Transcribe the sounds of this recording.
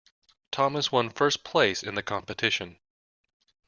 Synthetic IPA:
tʰɑmɨzwʌ̃nfɜ˞spʰl̥eɪsɨ̃nðɨkʰɑ̃mpɨtʰɪʃɨ̃n

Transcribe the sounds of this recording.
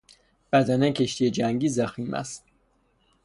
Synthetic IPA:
b̥æd̪ænɛkʰeʃt̪ijed͡ʒæŋɡiːzæximʔæ̰st̪

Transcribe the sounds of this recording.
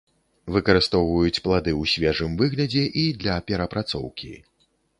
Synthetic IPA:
vɨkɐɾɨst̪ɔwvɐjut͡sʲplˠad̪ɨwsʲvʲɛʐɨmvɨɣlʲɐd͡zʲɛʔid̪lʲɐpʲɛɾɐpɾat̪sɔ̰wkʲḭ

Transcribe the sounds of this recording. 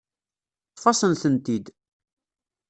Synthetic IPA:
fɑsənθənt̪id̪

